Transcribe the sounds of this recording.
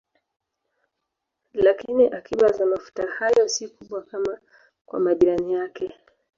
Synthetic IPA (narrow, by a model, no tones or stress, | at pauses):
lakiniʔakʰiɓazamafu̥tahajɔsikuɓwakama | kwa̰maɠiɾanijakɛ